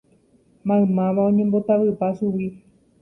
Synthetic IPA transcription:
mãɨ̃mãʋaõ̞ɲẽmbo̞t̪aʋɨpasuʋi

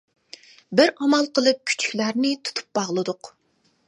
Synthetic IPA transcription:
bɪɾɑmɑlˠqʰəlˠɨp̚kʲʰy̥t͡ʃʰy̥kʲlæɾnɪt̪ʰu̥t̪ʰu̥p̚bɑʁlˠɨd̪ʊq

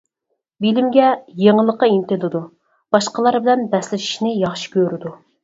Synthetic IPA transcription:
bilɪmɡʲɛjeŋəlˠːəqəint̪ɪlɨd̪u | b̥ɑʃqəlˠɑɾbɪlɛnbɛslɪʃi̥ʃnɪjɑχʃi̥kʲʰøɾɪd̪u

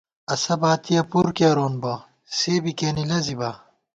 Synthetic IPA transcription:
ɐsɐbaːt̪ijɐpuɾkɐɾoːnbɐ | seːbikeːnilɐzibɐ

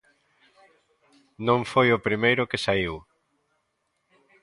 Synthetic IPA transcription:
nõŋfojʊpɾimejɾʊkɪsaiw

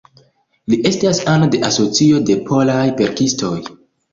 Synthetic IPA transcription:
liʔe̞stasanode̞ʔaso̞t͡sio̞de̞pʰo̞lajve̞ɾkistʰo̞j

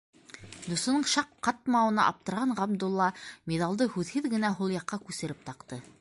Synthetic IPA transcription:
d̪usŭnɤɴʃɑqːɑt̪̚mɑwɤ̆nɑ̰ʔɑ̰p̚t̪ɤ̆ɾʁɑɴʁɑb̚d̪ulˠːɑmʲed̪ɑlˠd̪ɤhʉðhɘðɡɘ̆næɦulˠjɑqːɑkʉsɘ̆ɾɘp̚t̪ɑqt̪ɤ

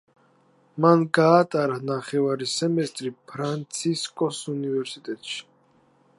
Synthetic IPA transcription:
manɡaːt̪ʼaɾanaχɛvaɾisɛmɛst̪ʼɾipʰɾant̪sʰiskʼɔsunivɛɾsit̪ʼɛt̪ʼʃi̥

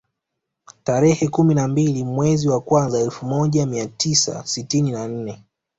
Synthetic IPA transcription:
taɾɛhɛkuminambilimwɛziwakwanzaɛlfumɔʄamiatisa̰sitininan̩nɛ

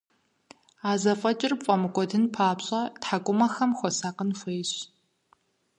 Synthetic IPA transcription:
aːzɐfʼɐt͡ʃʼɪrpfʷʼɐmɨkʷʼɔdɨnpʰaːpɕʼɐtħakʷʼʊmɐxɐmxʷɔsaːqənxʷejɕ

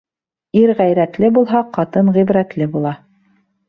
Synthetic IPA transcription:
iɾʁæjɾæt̪lɘbulˠɦɑqɑt̪ɤnʁiβɾæt̪lɘbulˠɑ

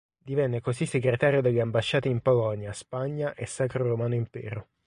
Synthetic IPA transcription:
d̪ivɛnːekosisːeɡɾet̪aːɾjod̪eʎːeambaʃːaːt̪iimpolɔnjaspaɲːaʔesːaːkɾoɾomaːnoimpɛ̰ːɾo

